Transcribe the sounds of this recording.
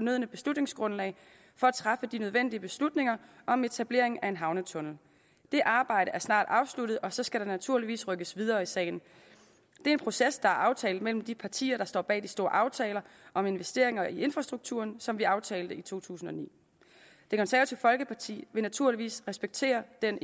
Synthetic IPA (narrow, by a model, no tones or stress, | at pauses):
ɒnøð̞̰ˠnəb̥e̝slud̥ne̝ŋsɡ̥ʁɔ̽nlɛ̰ɪ | fɒ̽æt͡sʰʁɑ̈fəd̥inøð̞ˠʋen̰d̥iəb̥e̝slud̥ne̝ŋɐʔɒ̽me̝t͡sʰæb̥le̝ɐe̝ŋæe̝nɦɑ̈ʊnət͡sʰɔ̽nl̩ | d̥e̝ʔɑ̈ːb̥ɑ̈ɪ̰ɾəæɐsnɑ̰̈ːd̥ɑ̈ʊslud̥ð̞̩ˠɒ̽sɒ̽sɡ̥æɾ̥ɑ̈næt͡sʰuɐ̰liʋḭːsʁœɡ̥əsʋiðˠɐːisɛ̰ːɪn̩ | d̥e̝ɐe̝npʰʁo̝sesd̥ɑ̈æɐʔɑ̈ʊt͡sʰɛːl̩ˠmel̰m̩d̥ipʰɑ̈t͡sʰḭːɐɾ̥ɑ̈sd̥ɒ̰ːb̥ɛ̰ːd̥isd̥o̝ːɐ̰ʔɑ̈ʊt͡sʰɛːlɐʔɒ̽me̝nʋesd̥e̝ɐ̰e̝ŋɐʔie̝nfʁɑ̈sd̥ʁuɡ̥̚t͡sʰṵːɐnsɒ̽mʋiɑ̈ʊt͡sʰɛːld̥əit͡sʰo̝̰ːt͡sʰṵːsn̩ɒ̽nḭː | d̥ekʰɒ̽nsæɐɐt͡sʰiʊfɒ̽lɡ̥əpʰɑ̈t͡sʰḭːʋe̝næt͡sʰuɐ̰liʋḭːsʁɛsb̥eɡ̥̚t͡sʰe̝̰ːɐd̥en